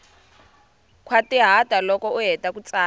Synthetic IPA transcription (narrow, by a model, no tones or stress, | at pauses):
kʰwatiɦatalɔkɔuɦɛtʼakut͡saː